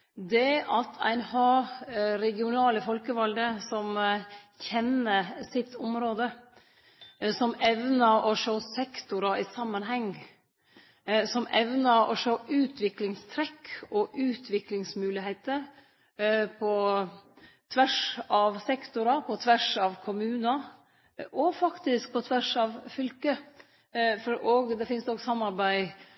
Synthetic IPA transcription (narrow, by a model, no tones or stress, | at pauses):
d̪ɛʔɑt̪ʰæ̰ɪnhɑːɾɛɡɪʊnɑːləfɔlkəʋɔld̪əsɔmçɛnəsɪt̪ʰːʊmɾoːd̪ə | sɔmɛʋnəɾɔʂoːsɛkt̪ʊɾɑɪsɑmːənɦɛŋ | sɔmʔɛʋnəɾɔ̰ʂoːʔʉːt̪ʰʋɪklɪŋst̪ʰɾɛkʰːɔʔʉːt̪ʰʋɪklɪŋsmʉːlɪheɪt̪əɾ | pʰɔ | t̪ʰʋæʂɑʋsɛkt̪ʊɾɑpʰɔt̪ʰʋæʂɑʋkʰʊmʉːnɑ | ʔɔfɑkt̪ɪsk̚pʰɔt̪ʰʋæʂɑʋfʏlkə | fʔɔːɡd̪ɛfɪnsd̪ɔɡsɑmːɑɾbæɪ